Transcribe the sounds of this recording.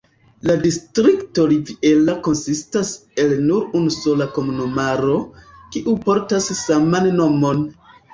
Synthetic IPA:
ladistɾikto̞ɾivie̞lako̞nsistase̞lnuɾunuso̞lako̞munomaɾo̞kiʔupo̞ɾtasːamanːo̞mo̞n

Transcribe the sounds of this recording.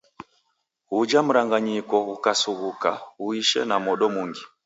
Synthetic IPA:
ud͡ʒam̩ɾaŋɡaɲikɔukasuɣukauiʃɛ̰namɔɗɔmuŋɡi

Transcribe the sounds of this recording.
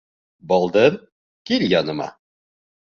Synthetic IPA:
bɒlˠd̪ɤɾ | kilʲjɑnɤ̆mɑ̰

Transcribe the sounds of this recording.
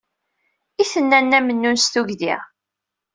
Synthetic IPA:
iθənːænːæmənːunst̪uʝðḭʁ

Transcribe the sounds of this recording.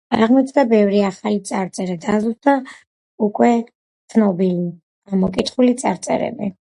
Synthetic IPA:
aʁmɔt̪ʰd̪abɛvɾiaχalit̪sʼaɾt̪sʼɛɾɛd̪azusd̪a | ukʼwɛ | t̪sʰnɔbili | amɔkʼit̪ʰχulit̪sʼaɾt̪sʼɛ̰ɾɛ̰bi

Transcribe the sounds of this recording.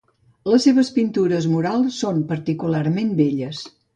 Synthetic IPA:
ləsːeβəspint̪uɾəzmuɾalˠsːompəɾt̪ikulaɾmembeʎəs

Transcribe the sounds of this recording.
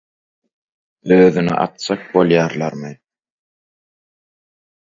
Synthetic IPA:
øːðynḭʔɑ̰t̪̚sɑk̚bo̞lˠjɑːɾlˠɑɾmɯ

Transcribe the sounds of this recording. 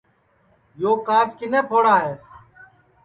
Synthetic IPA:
joːkaːt͡ʃkɪneːpʰoːɽaːɦeː

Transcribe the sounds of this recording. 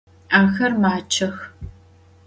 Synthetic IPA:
aːxɐrmaːt͡ʃʰɐx

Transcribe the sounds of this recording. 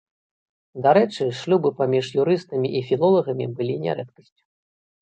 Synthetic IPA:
d̪aɾɛt͡ʂɨʂlʲubɨpamʲiʂjuɾɨst̪ɐmʲiʔifʲilˠɔlˠɐɣɐmʲḭbɨlʲinʲɛ̰ɾɛ̰t̪kɐsʲt͡sʲu̥

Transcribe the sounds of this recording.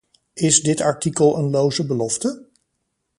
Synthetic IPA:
ɪzdɪtɑɹtikəlˠənlowzəbəlɔftə

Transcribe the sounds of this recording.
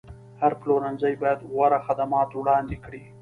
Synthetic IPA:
haɾploɾanzajbɑjad̪ɣwaɾaxad̪amɑt̪wɽɑnd̪ekɽi

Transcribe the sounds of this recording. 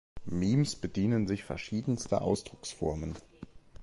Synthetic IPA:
miːmsb̥ədiːnənzɪçfɛɐʃiːdn̩stə̰ʔa̰ʊsd̥ʁʊksfɔɐmən

